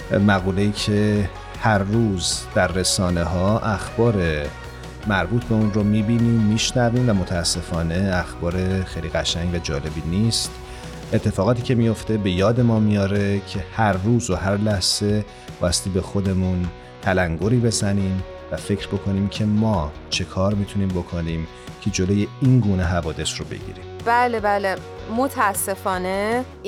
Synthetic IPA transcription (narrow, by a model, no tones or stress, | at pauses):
mæɣuːle̞jiːcʰe̞ | hæɾːuːzd̪̥æɾːe̞sɒːne̞ɦɒːʔæxb̥ɒːɾe̞ | mæɾbuːt̪ʰbe̞unromiːbiːniːmːiːʃnæviːmvæmo̞t̪ʰæːsːe̞fɒːne̞æxb̥ɒːɾe̞xejliːɣæʃæɲɟvæd͡ʒɒ̰ːle̞biːniːst̪ | ʔet̪ʰːe̞fɒːɣɒːt̪ʰiːcʰe̞mijo̞ft̪e̞be̞jɒːd̪e̞mɒːmijɒːɾe̞cʰe̞hæɾːuːzohæɾlæhz̥e̞ | b̥ɒ̰ːjæst̪iːbe̞xo̞d̪e̞mun | t̪ʰælæŋɡoɾiːbe̞zæniːm | væfe̞cʰɾbo̞kʰo̞niːmcʰe̞mɒːt͡ʃʰe̞kʰɒːɾmit̪ʰuniːmbokʰo̞niːm | cʰe̞d͡ʒolo̞je̞iːnɡuːne̞ɦævɒːd̪e̞sɾobḛɟḭːɾḭmb̥æːlebæːle | mot̪ʰæːsːe̞fɒːne